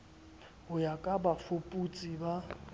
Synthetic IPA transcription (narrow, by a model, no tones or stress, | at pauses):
hʊjakʼabafʊpʼut͡sʼiba